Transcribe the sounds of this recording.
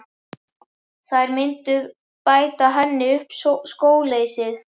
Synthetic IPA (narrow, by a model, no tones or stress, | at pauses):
θaðɾmɪnt̪ʏ | paːjt̪aɦɛnːɪʏhpsskoːwleːjsɪð